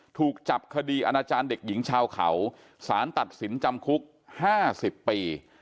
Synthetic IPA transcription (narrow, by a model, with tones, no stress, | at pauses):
t̪ʰuː˨˩k̚t͡ɕa˨˩p̚kʰa˧diː˧ʔa˧naː˧t͡ɕaː˧nde˨˩k̚ji˩˦ŋt͡ɕʰaː˧wkʰa̰˩˦w | saː˩˦nt̪a˨˩t̪̚si˩˦nt͡ɕa˧mkʰu˦˥k̚ | haː˥˩si˨˩pːiː˧